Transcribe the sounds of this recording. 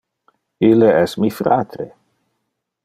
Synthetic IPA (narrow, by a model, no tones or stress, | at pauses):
ilːeɛsmifɾa̰ːt̪ɾe